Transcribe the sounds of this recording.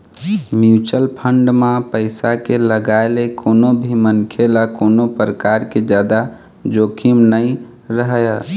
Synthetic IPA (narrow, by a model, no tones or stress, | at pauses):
mut͡ʃəlpʰəɳɖmãpəɪsakeləɡaelekʰoːnobʱimənkʰelakoːnopɾəkaɾked͡ʒjad̪a | d͡ʒoːkʰimnəĩ | ɾəɦəjə